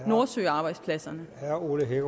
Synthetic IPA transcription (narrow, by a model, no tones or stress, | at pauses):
noɐsø̰ɪɑ̈ːb̥ɑ̈ɪd̥spʰlæsɐnəhæɐoləɦeɡ̥